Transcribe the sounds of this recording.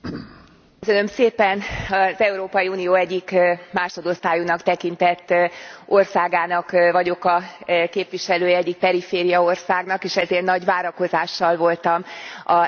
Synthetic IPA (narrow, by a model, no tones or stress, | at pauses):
køsønø̞mseːpɛnɒzɛuɾoːpɒjiuːnijoːɛɟːikmaːʃod̪o̞st̪aːjunɒkt̪ɛkint̪ɛt̪ːo̞rsaːɡaːnɒkvɒɟo̞kɒkeːpʋiʃɛløːjɛɛɟːik̚pɛɾifeːɾijɒo̞rsaːɡnɒkeːʃɛzeːrnɒɟʋaːɾɒko̞zaːʃːɒlvo̞lt̪ɒmɒ